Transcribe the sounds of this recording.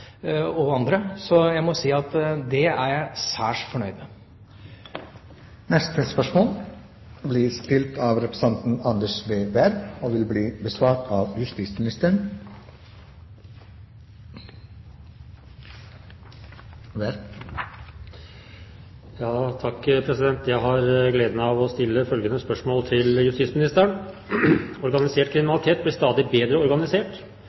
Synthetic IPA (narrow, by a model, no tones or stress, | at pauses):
ɔɑnd̪ɾəsɔjæɪmɔsiːɑt̪d̪ɛæɾjæɪsæːʂfɔɳœʏd̪mə | nɛst̪əspœʂmoːl | bliːst̪ɪlt̪ʰɑːʋɾɛpɾəsɑnt̪n̩ɑnd̪əʂʋeːbæɾoːʋɪlbliːbəsʋɑːʈʰɑːʋjʉst̪iːt̪smɪnɪst̪əəɳ | jɑːt̪ʰɑkːpʰɾɛsɪd̪ɛnt̪jæɪɦɑɾɡleːd̪ənɑʋɔst̪ɪlːəfœlɡənəspœʂmoːlt̪ʰɪljʉst̪iːsmɪnɪst̪əɾəɳ | ɔɾɡɑnɪseːʈ̚kʰɾɪmɪnɑlɪt̪ʰeːt̪̚bliːst̪ɑːd̪ɪbeːd̪ɾəɔɾɡɑnɪseːʈ